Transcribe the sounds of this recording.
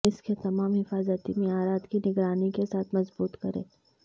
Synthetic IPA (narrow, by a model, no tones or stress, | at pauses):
ɪsket̪ɐmaːmɦɪfaːzət̪imẽaːɾaːt̪kinɪɡɾaːnikesaːt̪ʰmɐzbuːt̪kɐɾḛ̃ː